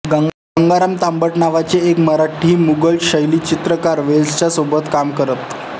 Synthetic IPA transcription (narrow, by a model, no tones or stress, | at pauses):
ɡɡəŋɡaɾamt̪ambəʈnaʋat͡seekməɾaʈʰiːmuɡəlɕəjliːt͡ɕit̪ɾəkaɾʋelst͡ɕjasobət̪kamkəɾət̪